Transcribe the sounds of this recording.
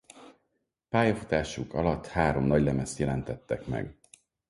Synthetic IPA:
paːjɒfu̥t̪aːʃukɒlɒt̪ːhaːɾo̞mnɒɟlɛmɛst̪jɛlɛnt̪ɛt̪ːɛkmɛ̰ɡ

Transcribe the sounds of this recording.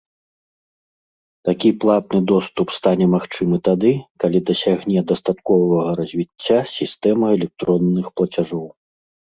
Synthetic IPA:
t̪akʲiplˠat̪̚nɨd̪ɔst̪upst̪anʲɛmaxt͡ʂɨmɨt̪ad̪ɨkalʲid̪ɐsʲaɣnʲɛd̪ɐst̪at̪kɔvɐɣɐɾɐzʲvʲit͡sʲːasʲist̪ɛmɐɛlʲɛk̚t̪ɾɔnːɨxplˠɐt͡sʲaʐɔw

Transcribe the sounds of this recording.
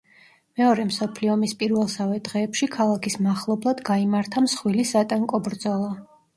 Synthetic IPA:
mɛɔɾɛmsɔpʰliɔmispʼiɾvɛlˠsavɛd̪̥ʁɛːpʃikʰalˠakʰismaχlˠɔblˠad̪ɡaimaɾt̪ʰamsχwilisat̪ʼɛŋkʼɔbɾd̪zɔlˠa

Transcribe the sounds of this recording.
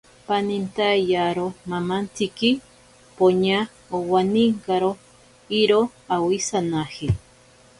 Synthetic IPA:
panint̪ajjaɾomamant̪ʰiki | poɲa | owaniŋkaɾo | iɾo | awisanahi

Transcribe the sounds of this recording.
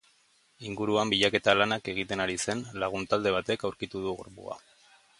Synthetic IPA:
iŋɡuɾuambiʎake̞t̪alanake̞ɣ̞it̪e̞naɾise̞nlaɣ̞unt̪ald̪e̞β̞at̪e̞kawɾkit̪uðuɣo̰ɾpṵa̰

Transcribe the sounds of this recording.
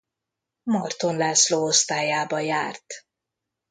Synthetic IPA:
mɒrt̪o̞nlaːsloːo̞st̪aːjaːbɒjaːrt̪

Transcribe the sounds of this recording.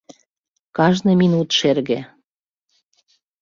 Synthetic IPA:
kɑʒnɤminut̪ʃerɣe

